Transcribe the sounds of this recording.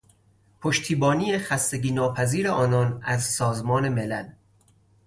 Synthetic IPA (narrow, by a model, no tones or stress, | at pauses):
pʰoʃt̪ʰiːbɒːniːjexæst̪e̞ɟiːnɒːpʰæziːɾeʔɒːnɒːnæzsɒːzmɒːne̞melæl